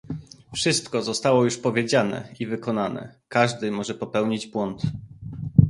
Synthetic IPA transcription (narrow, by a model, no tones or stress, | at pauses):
fʂɘst̪kɔzɔst̪awɔjuʂpɔvʲjed͡ʑanɛ̰ivɘkɔnanɛ̰kaʐd̪ɘmɔʐɛpɔpɛwɲid͡ʑbwɔnt̪